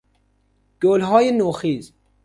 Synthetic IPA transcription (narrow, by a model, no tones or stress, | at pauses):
ɡ̥olɦɔːjenoːxiːz